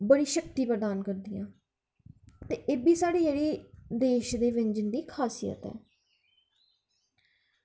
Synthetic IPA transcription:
bəɽiːʃək̚t̪iːpəɾd̪aːnkəɾd̪ɪjã̰ː | t̪eːʔeːbiːsaːɽiːd͡ʒeːɽiːd̪eːʃd̪eːʋɪɲd͡ʒənd̪iːkʰaːsijə̰t̪ɛ̰ː

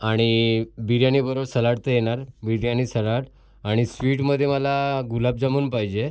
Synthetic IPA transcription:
aɽ̃ibiɾjañibəɾobsəlaɽt̪əjeɽ̃aɾbiɾjañiːsəlaɽ | aɽ̃isʋiːʈməd̪ʱːjeməlaɡulab̚d͡zamuːnpaɦid͡ʑe

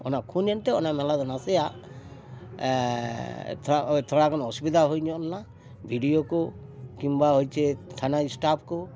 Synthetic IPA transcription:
ɔ̰nakʰunjɔnt̪ɛɔ̰namɛlad̪ɔnasɛjaʔ | t̪ʰt̪ʰɔɽakɔnɔsubid̪aɦojɲɔnːa | bʱiɖijokɔkimbaɦojt͡ʃʰɛt̪ʰanaisʈap̚ʰkɔ

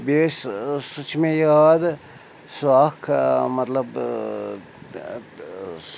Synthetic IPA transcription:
bessut͡ʃʰmejaːd̪ | suakʰmɐt̪lɐb

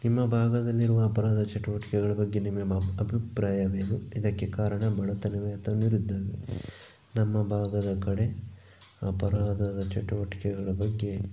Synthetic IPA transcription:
nimːɐbʱaːɡɐd̪ɐlːiɾuʋɐːpɐɾaːd̪ɐt͡ʃɐʈuʋɐʈi̥kɛɡɐɭɐbɐɡːe̞nimːeɐbʱipɾaːjɐʋeːnuid̪ɐkːekaːɾɐɳɐbɐɭɐt̪ɐnɐʋeɐt̪ʰːɐniɾid̪ːaːʋḛ | nɐmːɐbʱaːɡɐd̪ɐkɐɽe̞ | ɐpɐɾaːd̪ɐd̪ɐt͡ʃɐʈuʋɐʈi̥kɛɡɐɭɐbɐɡːe̞

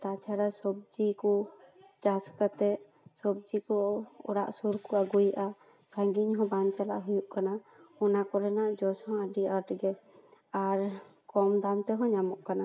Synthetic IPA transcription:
t̪at͡ʃʰaɾasɔb̚d͡ʒikɔ | t͡ʃaskat̪ɛ | sɔb̚d͡ʒikɔɔ̰ɽaʔsuɾkuaɡujʔa | saŋɡiɲɦɔ̃bant͡ʃala̰ʔɦujuʔkanaɔnakɔɾɛnaʔd͡ʒɔshɔ̃aɖiəɾʈɡɛ | aɾkɔmd̪ant̪ɛɦɔ̃ɲamɔʔkana

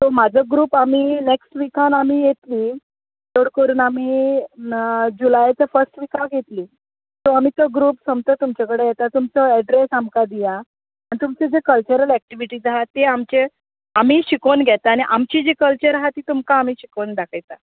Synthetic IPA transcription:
t̪omad͡zʱəɡɾuːpamiːneksʈʋikanam̤iːjet̪liː | d̪oɽkəɾuːnam̤iː | d͡ʑulajt͡səfəɾsʈʋikaɡʱet̪liː | t̪oam̤iːt̪əɡɾuːpsəmt̪ət̪umt͡ɕakəɽejɛt̪at̪umt͡səɛɖɾesamkad̪ija | anit̪umt͡sed͡zekəlt͡ɕəɾəlɛk̚ʈiʋiʈiːd͡zaɦat̪eamt͡ɕe | am̤iːɕikonɡʱɛt̪aːɽ̃iʔamt͡ɕid͡ʑekəlt͡ɕəɾɦat̪iːt̪umkaːm̤iːɕikond̪akʰajt̪a

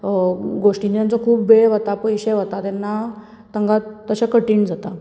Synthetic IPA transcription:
ɡoʂʈinjãnt͡sɔkʰuːpbeʋat̪apəjɕɛʋat̪at̪ɛnːa | t̪əŋɡat̪ːəɕakəʈiːɳd͡zat̪a

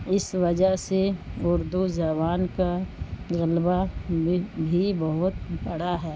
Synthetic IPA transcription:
ɪsʋɐd͡ʒəɦseʊɾd̪ud͡ʒɛːβaːnkaɣɐlba | bʱibɐɦʊt̪bɐɽaɦɛː

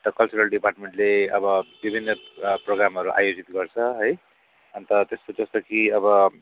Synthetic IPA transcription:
t̪ʌkʌlt͡suɾʌlɖiparʈmeɳʈleʌbʌbibʱinːʌproɡɾamʌɾuʔa̰jod͡zit̪ɡʌrt͡sʰʌɦʌj | ʌnt̪ʌt̪espod͡zʌst̪okiʌbʌ

